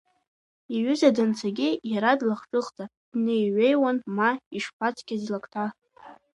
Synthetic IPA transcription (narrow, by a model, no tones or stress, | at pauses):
iɥʏzadɨnt͡sʰaɡʲɪjaɾadlaχʈ͡ʂʼɨχʼt͡sʼa | d̥nejɥʷejwanmaiʂpʷʰat͡sʰʼkʲazlakʰʼtʰa